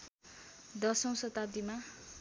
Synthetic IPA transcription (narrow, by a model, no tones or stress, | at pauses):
d̪ʌsʌ̃w̃sʌt̪ad̪ima